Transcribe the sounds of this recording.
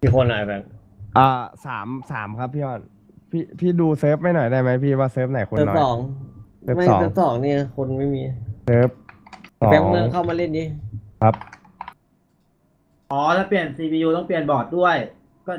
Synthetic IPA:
iː˧˩kʰo˧nːɔ˨˩˦bɛ˨˩ŋ̚ | ʔaː˧˩saː˩˦msa̰ː˩˦mkʰa˦˥p̚ʰːiː˥˩ʔɔː˧˩n | pʰiː˥˩pʰiː˥˩duː˧sɤː˦˥p̚ma˥˩jnɔ˨˩jdaː˥˩jma˦˥jpʰiː˥˩waː˥˩sɤː˦˥p̚na˨˩˦jxoː˧˦˥n̰˨˩ɔː˩˦ŋsːma˥˩sɔ̰ː˨˦ɤː˦˥p̚sɔː˩˦ŋni˧˥˩kʰo˧nma˥˩jmiː˧sɤː˦˥p̚sɔpɛ˨˧˦ŋːɯ˧ŋkʰa˥˩wmaː˧le˥˩ndiː˧˥˩kʰa˦˥p̚ | ʔɔː˨˦lɛː˦˥pli˨˩ənsiː˧wiː˧uː˧t̪ɔ˥˩ŋpi˨˩ənbɔː˨˩t̪̚du˥˩əj | kɔː˥˩

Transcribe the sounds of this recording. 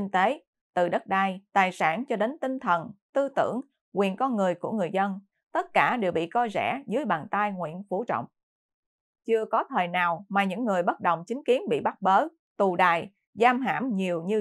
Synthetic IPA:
i˧ŋt̪e˨˦ | t̪ɨ̰˧˨˩ɗə˦˥t̚ɗaː˧jt̪aː˨˩jsaː˧˩nt͡ɕɔ˧ɗe˨˦nt̪ï˧ŋt̪ʰə˨˩nt̪ɨ˧t̪ɨ̰˧˩˥əŋ | kwi˨˩ənkɔ˧nŋɨ˨˩əjku˧˩əŋɨ˨˩əjzə˧n | t̪ə˦˥t̚kaː˧˩ɗe˨˩wɓḭ˧˨kɔ˧jzɛ̰˧˥zɨ˨˦əjɓaː˨˩nt̪aː˧jŋwḭ˧˨ənfu˧˩t͡ɕɔ̰˧˨wŋ͡m | t͡ɕɨ˧əkɔ˨˦t̪ʰəː˨˩jnaː˨˩wmaː˨˩ɲɨ̰˧˥ŋːɨ˨˩əjɓə˦˥t̚ɗə˨˩wŋ͡mt͡ɕï˨˦ŋ̟ki˨˦ənɓḭ˧˨ɓa˦˥t̚ɓəː˨˦ | t̪u˨˩ɗa̰ː˨˩j | zaː˧mɦa̰ː˧˥˩mɲi˨˩əwɲɨ˧

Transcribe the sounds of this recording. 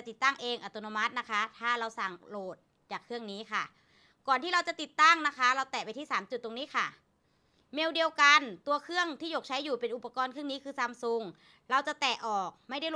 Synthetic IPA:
a˨˩t̪i˨˩t̪ːa˥˩ŋʔeː˧ŋʔaː˨˧˩t̪oː˧noː˧ma˦˥t̪̚na˦˥kʰa˦˥t̪ʰaː˥˩ɾa˧wsa˨˩ŋloː˨˩t̪̚ | t͡ɕaː˨˩kʰːɯ˥˩əŋniː˦˥kʰa˥˩ | kɔː˨˩nt̪ʰiː˥˩ɾa˧wt͡ɕa˨˩t̪i˨˩t̪ːa˥˩ŋna˦˥kʰa˦˥ɾa˧wt̪ɛː˨˩pa˧jt̪ʰiː˥˩saː˩˦mt͡ɕt̪̚ːo˧ŋniː˦˥kʰa˥˩ | me˧wdi˧əwka˧nt̪u˧ɐkʰɯ˥˩əŋt̪ʰiː˥˩joː˨˩k̚t͡ɕʰa˦˥juː˨˩pe˧nʔu˨˩pːa˧kɔː˧nkʰɯ˥˩ə˨niː˦˥kʰɯː˧sa˧˨mso˧˩ŋ | ɾa˧wt͡ɕa˨˩t̪ɛː˨˩ʔɔː˨˩k̚ma˥˩jda˥˩jl

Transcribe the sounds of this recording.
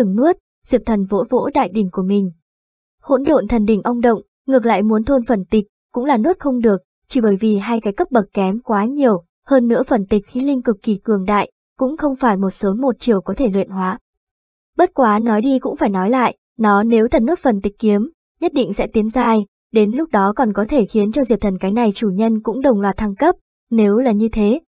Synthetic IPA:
ɨ˨˧˩ŋnu˦˥ət̚ | z̥i˨˩p̚t̪ʰə˨˩nvo̰˧˥vo̰˧˥ɗa̰ː˧˨jɗï˨˩ŋ̟ku˧˩əmï˨˩ŋ̟ | ho̰˧˥nɗo̰˧˨nt̪ʰə˨˩nɗï˧˩ŋ̟ʔə˧wŋ͡mɗə̰˧˨wŋ͡m | ŋɨ˨˩ək̬̚la̰ː˧˨jmu˨˦nt̪ʰo˧nfə˨˩nt̪i˨˩k̟̚kʊ̰˧˥ŋ͡mlaː˨˩nu˦˥ət̚xə˧wŋ͡mɗɨ˨˩ək̚ | t͡ɕi˧˩ɓəː˧˩jvi˨˩ɦaː˧jkaː˨˦jkə˦˥p̚ɓə˨˩k̚kɛ˨˦mkwaː˨˦ɲi˨˩əw | həː˧nːɨ̰˧˥əfə˨˩nt̪i˨˩k̟̚xi˨˦lï˧ŋkɨ˨˩kːi˧˩kɨ˧˩əŋɗa̰ː˧˨j | kʊ̰˧˥ŋ͡mxə˧wŋ͡mfaː˧˩jmo˨˩t̚so˨˦mo˨˩t̚t͡ɕi˨˩əwkɔ˨˦t̪ʰe˧˩lwḭ˧˨ənhwaː˨˦ | ɓə˦˥t̚kwaː˨˦nɔ˨˦jɗi˧kʊ̰˧˥ŋ͡mfaː˧˩jnɔ˨˦jla̰ː˧˨jʔ | nɔ˨˦ne˨˦wt̪ʰə˨˩nu˦˥t̚fə˨˩nt̪ï˨˩k̟̚ːi˨˦əm | ɲə˦˥t̚ɗḭ˧˨ŋ̟sɛ̰˧˥t̪i˨˦ənzaː˧j | ɗe˨˦nlʊ˦˥k͡p̚ɗɔ˨˦kɔ˨˩nkɔ˨˦t̪ʰe˧˩xi˨˦ənt͡ɕɔ˧zi˨˩əp̚t̪ʰə˨˩nkaː˨˦jna˨˩jt͡ɕu˧˩ɲə˧nkʊ̰˧˥ŋ͡mɗə˨˩wŋ͡mlwaː˨˩t̚t̪ʰa˧ŋkə˦˥p̚ | ne˨˦wlaː˨˩ɲɨ˧t̪ʰe˨˦

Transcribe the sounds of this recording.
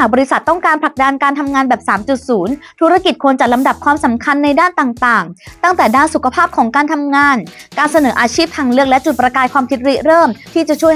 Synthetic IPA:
aː˨˩k̚bɔː˧ɾi˧˥sa˨˩t̪ːɔ˥˩ŋkaː˧npʰla˨˩k̚da˧nkaː˧nt̪ʰa˧mŋaː˧nbɛː˨˩p̚saː˩˦mt͡ɕu˨˩t̪̚suː˩˦nt̪ʰu˦˥ɾa˧ki˨˩t̪̚kʰo˧nt͡ɕa˨˩la˧mda˨˩p̚kʰwaː˧msa˩˦mkʰa˧nːa˧jdaː˥˩nt̪aː˨˩ŋt̪aː˨˩ŋt̪a˥˩ŋt̪ɛː˨˩daː˥˩nsu˨˩kʰa˧pʰaː˥˩p̚kʰɔː˩˦ŋkaː˧nt̪ʰa˧mŋaː˧nkaː˧nsa˧nɤː˩˦ʔaː˧t͡ɕʰiː˥˩p̚t̪ʰaː˧ŋlɯ˥˩ək̚lɛ˦˥t͡ɕu˨˩t̪̚pɾa˧kaː˧jkʰwaː˧mt̪ʰi˦˥t̪̚ɾi˦˥ʔɾɤː˥˩mt̪ʰiː˥˩t͡ɕa˨˩t͡ɕʰu˥˩ə

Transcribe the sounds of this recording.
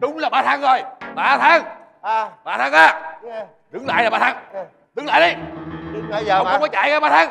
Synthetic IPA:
ɗʊ˨˦ŋ͡mlaː˨˩ɓaː˧t̪ʰaː˨˧˦ŋzo˨˩jɓaː˧t̪ʰaː˨˧˥ŋ˧ | ɓaː˧t̪aː˧˦ŋʔaː˨˧˩ | zɨ˨˦ŋla̰ː˧˨jlaː˨˩ɓaː˧t̪aː˨˧˦ŋ | zɨ˨˦ŋla̰ː˧˨jɗə˨˧j | wwŋ͡mkɔ˨˦t͡ɕa̰ː˧˩jkaː˧˦ɓaː˧t̪ʰaː˨˧˦ŋ

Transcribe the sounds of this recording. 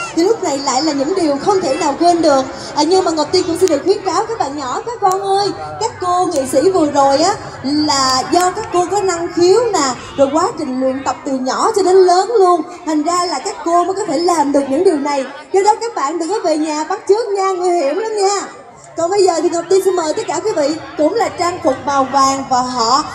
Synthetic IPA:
t̪ʰi˨˩lʊ˦˥k͡p̚na˨˩jla̰ː˧˨jlaː˨˩ɲɨ̰˧˥ŋɗi˨˩əwxə˧wŋ͡mt̪ʰe˧˩naː˨˩wkwe˧nɗɨ˨˩ək̚ | ʔəː˨˩ɲɨ˧ŋmaː˨˩ŋo˨˩p̚t̪i˧kʊ̰˧˥ŋ͡msɛ˧nɗɨ˨˩ək̚xwənkaː˨˦wkaː˦˥k̚ɓa̰ː˧˨ɲɔ̰˧˩˦kaː˦˥k̚ːɔ˧nʔəː˧j | kaː˦˥kːo˧ŋḭ˧˨sḭ˧˥vɨ˨˩əzo˨˩jʔaː˨˦ | laː˨˩zɔ˧kaː˦˥kːo˧kɔ˨˦na˧ŋxi˨˦əwnaː˨˩ | zo˨˩jkwaː˨˦t͡ɕï˨˩ŋ̟lwḭ˧˨ənt̪ə˨˩wk͡p̚t̪ɨ˨˩ɲɔ̰˧˩˥t͡ɕɔ˧ɗe˨˦nləː˨˦nlu˧ən | t̪ʰa˨˩jŋ̟zaː˧laː˨˩kaː˦˥kːo˧məː˨˦jkɔ˨˦t̪ʰe˧˩laː˨˩mɗɨ˨˩ək̚ɲɨ̰˧˥ŋɗi˨˩əwna˨˩j | t͡ɕɔ˧ɗɔ˨˦kaː˦˥k̚ɓa̰ː˧˨nɗɨ˨˩k̚ːəː˨˦jve˨˩ɲaː˨˩ɓa˦˥t̚t͡ɕɨ˦˥ək̚ɲaː˧ŋɨ˨˩əjhi˧˩˥əmla˨˧˦mɲaː˧ | kɔ˨˩nɓə˧jzəː˨˩t̪ʰi˨˩ŋə˨˩w̚t̪i˧nsɛ˧nməː˨˩jt̪ə˦˥t̚kaː˧˩kwi˨˦vḭ˧˨kʊ̰˧˥ŋ͡mlaː˨˩t͡ɕaː˧ŋfu˨˩t̚vaː˨˩wvaː˨˩ŋvaː˨˩ɦɔ̰˧˨

